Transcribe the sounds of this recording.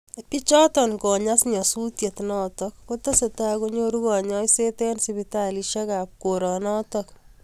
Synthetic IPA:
pi˦t͡ʃɔ˦tɔ˨nkɔ˨ɲa˦sɲɔ˨su˦tje˨tnɔ˦tɔkːo˦tɔ˦se˨ta˦koɲoɾu˦ɣɔ˨ɲɔ˦jse˦tɛ˦nsibitaliʃe˦ka˨p̚koɾɔ˨nɔ˦tɔk

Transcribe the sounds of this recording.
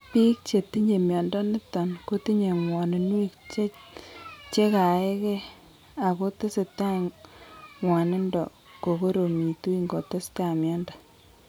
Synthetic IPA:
pi˦k̚t͡ʃe˨ti˦ɲe˨mjɔ˨ndɔ˦nɪ˦tːɔ˨nko˦ti˦ɲe˨ŋwɔ˨nɪ˨nwi˦kt͡ʃe˦ | t͡ʃe˦ka˨ɛ˦ke˦ | a˨ko˦to˦se˨ta˦ | ŋwa˨nɪ˦ndɔ˨ | ko˨ko˦ɾo˨mi˨tu˦i˦ŋɡo˨to˦sta˦˨mja˦ndḁ˨

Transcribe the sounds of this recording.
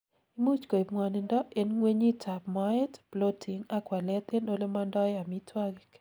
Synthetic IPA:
i˦mu˦t͡ʃko˨pŋwa˨nɪ˨ndɔ˦e˨nŋwe˦ɲi˦tʰa˨pmɔ˦ɪ˦tplo˦tʰi˨ŋa˦kwa˨lɛ˦t̪e˦no˦le˦ma˦ndɔ˦ja˨mi˦tʰwa˦ɡɪ

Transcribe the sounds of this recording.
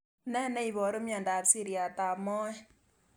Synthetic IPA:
nɛ˦˨nɛ˦i˨bɔ˨˦ɾo˦mia˨nda˨psi˦˨ɾi˦a˨ta˨mɔ˦ɛ˦

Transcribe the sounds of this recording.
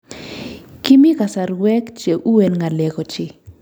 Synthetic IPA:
ki˦mi˦ka˨sa˨ɾwɛ˦kt͡ʃe˨ʔu˦we˨nŋa˨lɛ˨kɔ˨t͡ʃɪ˨

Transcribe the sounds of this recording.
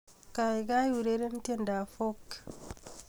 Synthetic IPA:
ka˨i˨ɡa˦ju˨ɾe˦ɾe˦n˦te˦nda˨fo˦k

